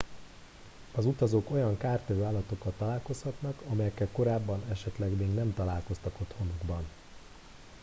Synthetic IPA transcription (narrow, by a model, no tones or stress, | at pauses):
ɒzut̪ɒzoːko̞jɒŋkaːrt̪ɛvøːaːlːɒt̪o̞kːɒt̪t̪ːɒlaːlko̞shɒt̪nɒkɒmɛjɛkːɛlko̞ɾaːbːɒnɛʃɛt̪lɛɡmeːɡnɛmt̪ɒlaːlko̞st̪ɒko̞t̪ho̞nuɡbɒn